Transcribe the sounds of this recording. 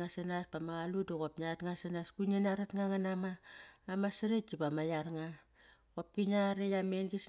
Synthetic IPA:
ŋasanaspamaɣaludoɣopnatŋasanaskunenaɾatŋaŋanamaːmasaɾett͡ʃipamajaɾŋa | kop̚kiɲaɾejamenɡis

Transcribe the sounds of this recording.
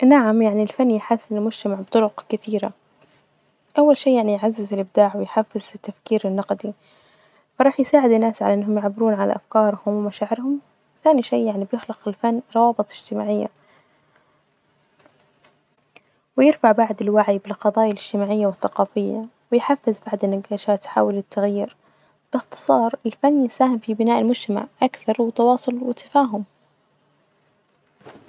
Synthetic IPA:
naʕamjaʕnilfanːjħaːsːɪnɪlmʊd͡ʒt̪amaʕbt̪ˤʊɾʊqkɪθiːɾa | ʔawːalʃiːjaʕnijʕazːɪzɪlʔɪb̚d̪aːʕwɪjħafːɪzɪt̪ːafkiːɾɪnːɑqd̪i | fɑɾˤɑːħjsaːʕɪd̪ɪnːaːsʕa̰laʔɪnːɦʊmjɪʕbːɪɾuːnʕala̰ʔafkɑːɾˤhʊmwɪmaʃaːʕɪɾhʊm | wɪθaːniʃiːjaʕnibjɪxlɑqɪlfanːɾˤɑwɑːbɨt̪ˤɪd͡ʒt̪ɪma̰ːʕɪjːa̰ | wɪjɪɾfaʕbaʕd̪ɪlwaʕijbɪlqɑðˤɑːjalɪd͡ʒ̥t̪ɪmaːʕɪjːawɪθːaqɑːfɪjːa̰wɪjħafːɪzbaʕd̪ɪnːaɡaːʃaːt̪ħa̰ːwɪlɪt̪ːaɣjiːɾ | b̥ɪxt̪ɨ̥sˤɑːɾˤɪlfanːjɪsaːhɪmfibɪnaːʔɪlmʊd͡ʒt̪ama̰ʕʔakθɑɾˤwɪt̪ːɑwɑːsˤʊlwɪt̪ːḁfaːɦʊm

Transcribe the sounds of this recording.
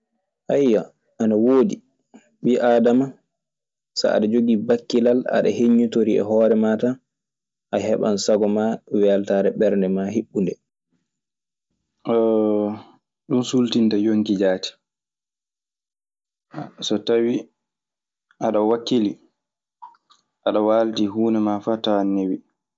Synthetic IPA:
ʔajːa | anawoːdi | ɓiʔaːdama | sa̰a̰ɗad͡ʒoɡibakːilala̰ɗa̰heɲːutoɾiɛ̰ɦɔːɾɛmaːta | ʔaɦɛɓa̰nsaɡɔmawɛltaɾɛɓɛɾndɛmaɦeɓːundɛ | ɗunsultintajoŋkid͡ʒaːti̥ | sɔtawi | ʔaɗawakːili | ʔaɗawaːltiɦuːnɛmafatawanːewi

